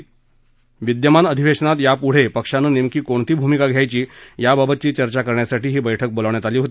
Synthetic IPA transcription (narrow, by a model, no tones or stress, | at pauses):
ʋid̪jəmanəd̪ʱiʋeʂənat̪japuɽ̤epəkʂanəːnemkiːkoɳt̪iːbʱumikaɡʱjajt͡ɕiːjababət̪̚t͡ɕiːt͡ɕəɾt͡ɕakəɾɳjasaʈiːɦiːbəjʈʰək̚boləʋɳjat̪aliːɦot̪i